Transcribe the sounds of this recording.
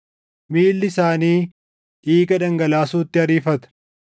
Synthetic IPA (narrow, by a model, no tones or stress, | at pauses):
miːlːɪsaːniː | ʔiːɡɐᶑɐŋɡɐlaːsuːt̪ːɪɐɾiːfɐt̪ɐ̥